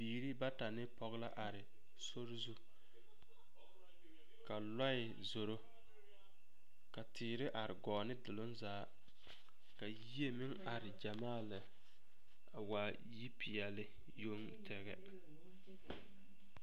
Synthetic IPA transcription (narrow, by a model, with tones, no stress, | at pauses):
biː˨ɾi˦ba˦ta˨nɪ˦pɔ˦ɣla˦ʔa˨ɾɪ˨ | so˦ɾzu˦ | ka˨la˦ɪ˨ | zo˨ɾo˦ | ka˨tɪː˨ɾɪ˦ʔa˨ɾɪ˨ɡɔː˨nɪ˦dɪ˨lʊ˦nzaː˨˦ | ka˨ji˦e˦mɪ˦ŋa˨ɾɪ˨d͡ʒa˨maː˦˨lɪ˨ | a˨wa˨ | ji˦pi˨ɛ˨lɪ˦ | jo˦ŋ | tʰɛ˨ɣɛ˦